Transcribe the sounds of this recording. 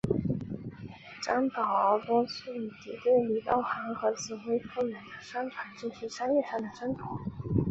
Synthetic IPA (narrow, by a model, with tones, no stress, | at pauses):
ʈ͡ʂɑ˥ŋt̪ɑ˨˩ʊə˧˥kʊ˥ŋs̩˥˩y˨˩t͡ɕ̪i˨˧˥t̪we˥˩ɪli˨˩t̪ɑ˥˩ʊxa˧˥ŋxɤ˧˥t͡sʰɹ̩˨˩xwe˥ɪfu˥˩ɥɛ˧˥nd̪ə˧ʂa˥ŋʈ͡ʂʰwa˨˩˦nt͡ɕi˥˩nɕi˧˥ʂɑ˥ŋjɛ˥˧ʂɑ˥˩ŋd̪ə˩ʈ͡ʂə˥nt̪ʰʊ˨˥˦